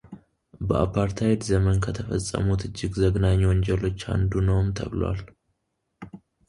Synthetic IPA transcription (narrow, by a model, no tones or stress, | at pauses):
bəa̰pʰaɾt̪ʰajet̪zəmənkʰət̪ʰəfəsʼːə̰mut̪ɨd͡ʒːɪɡzəɡnaɲːwɔɲd͡ʒɛlo̞t͡ʃːha̰nd̪unəwmt̪ʰə̰βlwa̰l